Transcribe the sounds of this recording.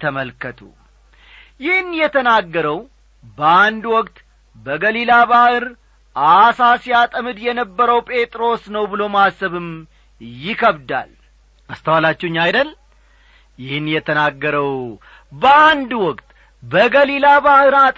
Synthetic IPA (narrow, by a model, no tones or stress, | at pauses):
t̪ʰəməlkət̪ʰṵ | jɪhnjɛt̪ʰənaɡːəɾəw | bəand̪wɔkʼt̪ | bəɡəlilabahɨɾ | ʔasasijat̪ʼəmɨd̪jɛnəbːəɾəwpʼe̞t̪ʼɾo̞snəwbɨlo̞masːəβɨm | jɪkʰəβd̪a̰l | ʔast̪ʰəwalat͡ʃːuɲːajd̪əl | jɪhɨnjɛt̪ʰənaɡːəɾəw | bəand̪wɔkʼt̪ | bəɡəlilabahɨɾa